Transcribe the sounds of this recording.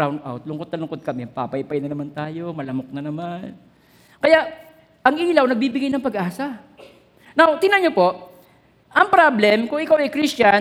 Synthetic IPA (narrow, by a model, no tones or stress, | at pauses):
awnd̪ʔa̰wt̪̚lʊŋkod̪nɐlʊŋkod̪̚kɐmɛpa̰ːpɐɪpɐjnɐnɐmant̪aːjo̞mɐlɐmok̚nɐnɐman | kɐjaʔ | ʔɐŋʔiːlɐwnɐɡ̚biːbɪɡajnɐŋpɐɡʔaːsɐ | nawt̪ɪnɐɲopo̞ʔ | ʔɐŋpɾablɛmkʊŋʔɪkawɐjkɾist͡ʃɐn